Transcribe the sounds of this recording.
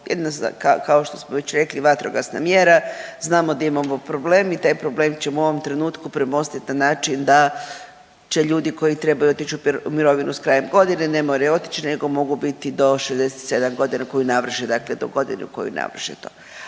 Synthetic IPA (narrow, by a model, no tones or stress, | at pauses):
jed̪inasa̰kakaoʃt̪o̞smoʋe̞t͡ɕɾe̞kliʋat̪ɾo̰ɡasna̰mjeɾaznaːmod̪aimamopɾo̞ble̞ːmit̪aːjpɾo̞ble̞ːmt͡ɕe̞muo̞ʋo̞mt̪ɾe̞nuːt̪kupɾemo̞st̪it̪nanaːt͡ʃind̪a | t͡ʃe̞ʎuːd̪iko̞jit̪ɾe̞bajuo̞t̪it͡ʃuumiɾo̞ʋinuskɾaːjemɡo̞d̪ine̞ne̞moɾajo̞t̪i̥t͡ʃine̞ɡo̞mo̞ɡubit̪id̪o̞ʃezd̪e̞set̪se̞d̪amɡo̞d̪inako̞junaʋr̩ʃed̪akle̞d̪o̰ɡo̞d̪ḭnṵuko̞̰jṵna̰ʋr̩ʃḛt̪o̥̰